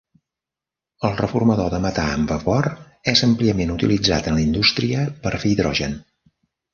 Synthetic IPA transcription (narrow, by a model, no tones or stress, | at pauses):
əlˠrəfurməðoðəmət̪aəmvəfɔɾ | ɛzəmpliəmenut̪ilid͡za̰t̪ənləind̪ust̪ɾiəpəɾfijðɾɔ̰ʒən